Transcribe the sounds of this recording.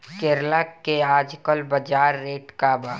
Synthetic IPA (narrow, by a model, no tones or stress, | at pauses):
kɪɾlakːeaːd͡ʒkəlbəd͡ʒaːɾːeːʈkaːbaː